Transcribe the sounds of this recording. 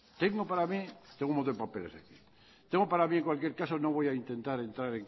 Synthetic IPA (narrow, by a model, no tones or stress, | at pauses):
t̪eŋɡopaɾamit̪eŋɡumot̪opapelesaki | t̪eŋɡopaɾamieŋkwalkje̞ɾkasono̞β̞o̞jaint̪e̞nt̪aɾe̞nt̪ɾaɾeŋk